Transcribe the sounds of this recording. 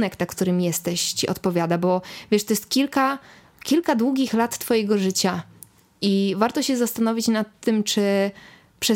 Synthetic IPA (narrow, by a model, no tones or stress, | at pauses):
nɛknakt̪uɾɘmjɛst̪ɛɕt͡ɕiʔɔ̰t̪pɔvʲjad̪abɔvʲjɛʂt̪ɔjɛst̪̚kʲilka | kʲilkad̪wuɡʲixlat̪ːfɔjɛɡɔʐɘt͡ɕa | ivaɾt̪ɔɕɛzast̪anɔvʲit͡ɕnat̪ːɘmt͡ʂɘ | pʂɛ